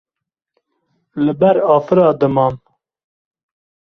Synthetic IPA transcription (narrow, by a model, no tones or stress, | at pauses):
lɨbɛɾɑːfɨɾɑːd̪ɨmɑːm